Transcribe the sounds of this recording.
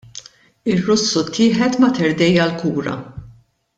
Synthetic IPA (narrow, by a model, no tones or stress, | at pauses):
ɪrːʊsːut̪ʰːɪːħɛt̪mɐt̪ɛɾd̪ɛjɐlkuːɾɐ̰